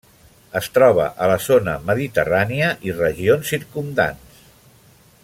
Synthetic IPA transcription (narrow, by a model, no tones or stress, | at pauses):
əst̪ɾɔβ̞ə̰ʔələzonəməðit̪ə̰raniəʔirəʒionsːiɾkumd̪a̰ns